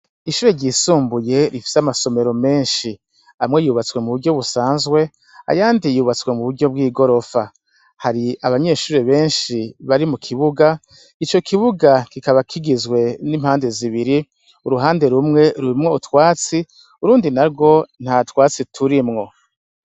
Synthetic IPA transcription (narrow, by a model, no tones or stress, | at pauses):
iʃuːɾe̞ɾɟiːsuːmbuje̞ɾifi̥seamaso̞me̞ɾo̞me̞ːnʃi | amŋe̞juːβat͡swe̞muβuɾɟo̞βusaːnzɡwe̞ | a̰jaːndijuːβat͡swe̞muβuɾɟo̞b̚ɡiːɡo̞ɾo̞fa | haɾiaβaɲe̞ʃuːɾe̞βe̞ːnʃiβaɾimukʰiβuɡa | it͡ʃo̞kʰiβuɡakikaβakʰiɡizɡwe̞nim̥haːnde̞ziβiɾi | uɾuɦaːnde̞ɾumŋe̞ɾuɾimŋo̞utwaːt͡si | uɾuːndinaɾɡo̞n̥hatwaːt͡sitʰuɾimŋo̞